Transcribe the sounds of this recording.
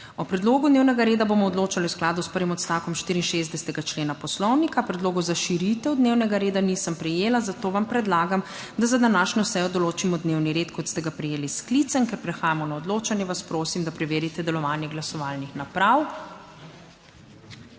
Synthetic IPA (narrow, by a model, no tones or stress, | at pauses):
ɔpɾɛd̪loːɡud̪neːwnɛɡaɾeːd̪abomɔɔd̪loːt͡ʃaliwsklaːd̪uspəɾʋimɔt̪st̪aːkɔmʃt̪iːɾiːnʃezd̪ɛst̪ɛɡat͡ʃleːnapɔslɔwnikapɾɛd̪loːɡɔzaʃiɾit̪ɛwd̪neːwnɛɡaɾeːd̪aniːsəmpɾɛjeːlazat̪oːʋampɾɛd̪laːɡam | d̪azad̪anaːʃnɔsɛjɔd̪ɔloːt͡ʃimɔd̪neːwniɾeːt̪kɔt̪st̪ɛɡapɾɛjeːlisklit̪sənkɛɾpɾɛxaːjamɔnaɔd̪loːt͡ʃanjɛʋaspɾoːsimd̪apɾɛʋeːɾit̪ɛd̪ɛlɔʋaːnjɛɡlasɔʋaːlnixnapɾaw